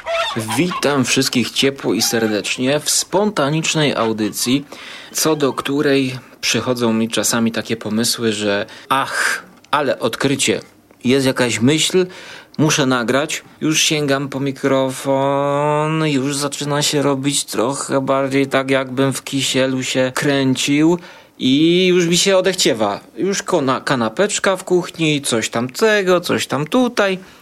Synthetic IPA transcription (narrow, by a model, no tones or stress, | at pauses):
vʲit̪amfʂɘst̪̚kʲixt͡ɕɛpwɔisɛɾd̪ɛt͡ʂɲɛfspɔnt̪aɲit͡ʂnɛjʔa̰wd̪ɘt̪sʲjit̪sɔd̪ɔkt̪uɾɛjpʂɘxɔd̪zɔ̃w̃mʲit͡ʂasamʲit̪akʲɛpɔmɘswɘʐɛax | alɛʔɔt̪kɾɘt͡ɕɛ | jɛst̪jakaɕmɘɕlmuʂɛnaɡɾat͡ɕjuʂɕɛŋɡampɔmʲikɾɔfɔnjuʐzat͡ʂɘnaɕɛɾɔbʲit͡ɕt̪ɾɔxɛbaɾd͡ʑejt̪aɡjaɡbɘmfkʲiɕɛluɕɛkɾɛɲt͡ɕiw | ʔijuʂmʲiɕɛɔd̪ɛxt͡ɕɛvajuʂkɔnakanapɛt͡ʂkafkuxɲit̪sɔɕt̪amt̪ɛɡɔt̪sɔ̰ɕt̪amt̪ut̪aj